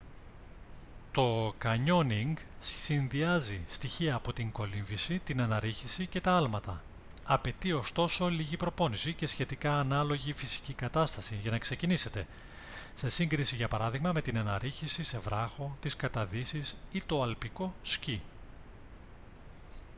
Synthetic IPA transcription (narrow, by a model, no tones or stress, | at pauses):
t̪o̞kɐɲo̞niŋɡssinðiɐzist̪içiɐːpo̞t̪iŋko̞liɱvisit̪inɐnɐɾiçisice̞t̪ɐɐlmɐt̪ɐ | ɐpe̞t̪io̞st̪o̞so̞liʝipɾo̞po̞nisice̞sçe̞t̪ikɐːnɐlo̞ʝifisi̥cikɐt̪ɐst̪ɐsiʝɐnɐkse̞cinise̞t̪e̞ | se̞siŋɡɾisiʝɐpɐɾɐðiɣmɐme̞t̪inɐnɐɾiçisise̞vɾɐxo̞t̪iskɐt̪ɐðisisit̪o̞ɐlpiko̞sci